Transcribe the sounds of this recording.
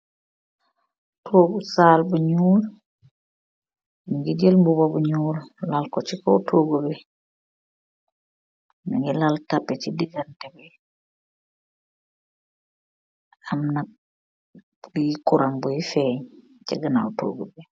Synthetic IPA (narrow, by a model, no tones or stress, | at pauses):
tʰoɡusaːlbuɲuːl | nuŋɡiɟelmbuβabuɲuːllalkot͡ʃikoutʰoɡobi | nuŋɡilaltapːet͡ʃidiɡantebe | amna | ɡikuɾaŋbuifeɲ | t͡ʃaɡana̰uto̰ɡobi